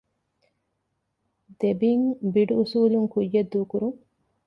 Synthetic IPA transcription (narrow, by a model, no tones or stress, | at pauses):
d̪̥ebiŋbiɖuusuːluŋkujːed̪ːuːkuɾuŋ